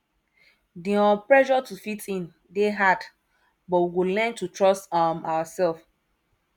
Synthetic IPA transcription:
diɔ̃pɹɛʒɔtufitʰĩn | deɦad | bɔwiwulɛ̃ntutɹɔstamawasɛlf

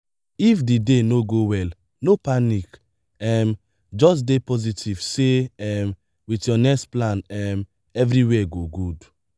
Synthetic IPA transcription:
ifdidenoɡowɛl | nopanik | ɛm | d͡ʒɔs̬depɔzitʰivseɛm | witjɔnɛksplãnɛm | ɛvɾiwɛɡoɡud

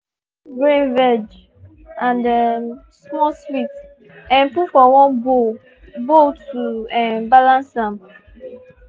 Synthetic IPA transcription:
ɡɹĩnvɛd͡ʒ | ãndɛm | smɔswit | ɛ̃npufɔwɔ̃nbo | botuɛ̃mbalãnsãm

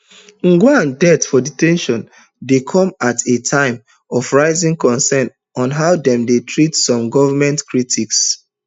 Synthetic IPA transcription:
ŋ̩ɡwãndɛtfɔditɛ̃nʃɔ̃n | dekʰɔ̃matʰetʰãɪ̃m | ɔfɹaɪzĩŋkɔ̃nsɛ̃n | ɔ̃nɦaʊdɛ̃mdetʰɹitsɔ̃mɡɔvamɛ̃ntkɹitʰiks

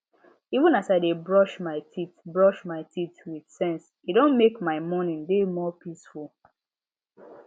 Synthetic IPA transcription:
ivũnasaɪdebɹɔʃmaɪtʰitbɹɔʃmaɪtʰitwidsɛ̃ns | idõnmekmaɪmɔnĩndemɔpisfulˠ

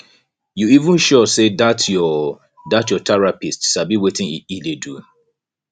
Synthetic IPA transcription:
juivũnʃɔsedatjɔ | datjɔtʰaɹapistʃabiwetɪ̃ŋiidedu

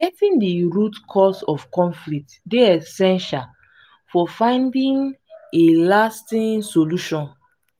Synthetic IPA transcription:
ɡɛtĩndiɹutkʰɔsɔfkɔ̃ɱflik̚tdeɛsɛ̃nʃal | fɔfãɪ̃ndĩŋelastĩŋsoluʃɔ̃n

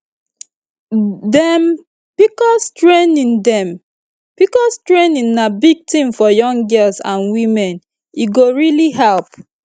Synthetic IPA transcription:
dɛm | pikɔstɹẽnĩndɛ̃m | pikɔstɹẽnĩnːabiɡ̚tĩmfɔjɔ̃ŋɡɜlsã̰nwĩmɛ̃n | iɡoɹiliɦɛlp

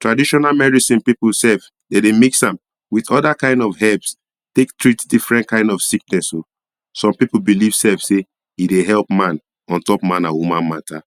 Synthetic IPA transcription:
tɹadiʃɔnamɛɹisĩnpipul̩sɛf | dedemiksãm | wiðɔdakãɪ̃ndɔfhɛps | tek̚tɹitdifɹɛ̃nt̚kãɪ̃ndɔfsik̚nɛso | sɔ̃mpipul̩biliv̥sɛfse | hideɦɛlpmãn | ɔ̃ntɔpmãnawumãnmata

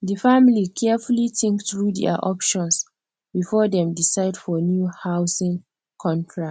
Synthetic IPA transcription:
dəfamilikʰɛfulitĩŋkθɹudɛ̰a̰ʔɔpʃɔ̃ns | bifɔdɛ̃mdisaɪdfɔnjuhawsĩŋ | kʰɔ̃ntʰɹa

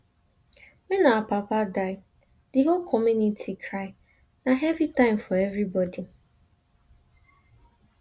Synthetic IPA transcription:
menapapadaɪ | d̥iɦolkʰɔmjunitʰikʰɾaɪ | naɦɛvitãɪmfɔɛvɾibɔdi

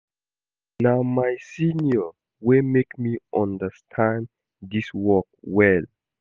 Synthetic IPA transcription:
namajsinjɔ | wemekmiʔɔ̃ndəstʰãn | diswɔk̚wɛl

